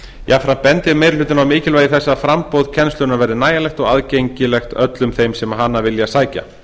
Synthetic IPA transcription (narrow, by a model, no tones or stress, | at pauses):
jʔafɾampɛnt̪jɪɾmejɾlʏːt̪ɪnawmɪːcɪlvaːjðɪθɛsːaðfɾampowðcʰɛnst̪ʏnavɛːɾðɪnaːjalɛxt̪ɔɣaðcejɲcɪlɛxt̪œt̪lʏmθejmsɛmaɦanːavɪljasaːjca̰